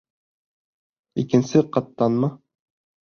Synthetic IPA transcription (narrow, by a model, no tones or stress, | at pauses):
ikɘ̆nsɘqɑt̪ːɑnmɤ